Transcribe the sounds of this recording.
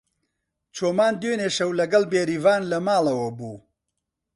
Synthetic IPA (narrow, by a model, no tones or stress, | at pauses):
t͡ʃʰoːmaːnd̪weːneːʃɐwlɐɡɐlbeːɾiːvaːnlɐmaːlɐwɐbuː